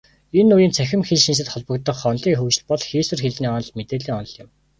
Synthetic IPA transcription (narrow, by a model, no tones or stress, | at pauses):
enːujiːnt͡sʰæxʲɪ̆mxeɮʃins̬ɘ̆t̪χɔɮpɞ̆kt̪ɞ̆χɔnɮiːxuːt͡ɕ̆ɮpɔɮxeːswɘ̆rxeɮniːɔn̆ɮmet̪eːɮiːŋɔn̆ɮɪ̆m